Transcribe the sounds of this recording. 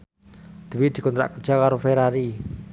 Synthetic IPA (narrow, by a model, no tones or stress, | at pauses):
d̪̥əwid̪̥i̤kɔnt̪ɾa̰ʔkərd̥ʒ̥a̤kaɾofeɾaɾi